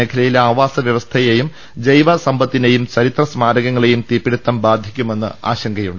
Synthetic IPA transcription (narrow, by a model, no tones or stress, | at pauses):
eːkʰɐlɐjilaːʋaːsɐʋjɐʋɐst̪ʰɐjejum | d͡ʑɐjʋɐsɐmbɐt̪ːine̞jumt͡ɕɐɾit̪rɐsmaːɾɐɣɐŋːɐɭe̞jumt̪iːpːiɽut̪ːɐmbaːd̪ʱikʲːume̞nːɨ̰a̰ːɕɐŋɡʱɐjuɳɖɨ